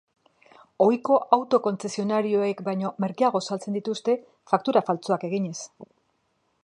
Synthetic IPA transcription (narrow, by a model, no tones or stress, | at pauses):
o̞jko̞ʔawt̪o̞ko̞nt͡se̞sio̞naɾio̞ekbajɲo̞me̞ɾɣiaɣ̞o̞salt͡se̞nd̪it̪ust̪e̞ | fak̚t̪uɾafalt͡soake̞ɣ̞iɲe̞s